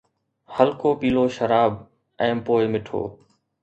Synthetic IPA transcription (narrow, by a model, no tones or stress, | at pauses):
həlkoːpiːloːʃəɾaːb̚ | ɛ̃ːpoːɪmɪʈʰo̰ː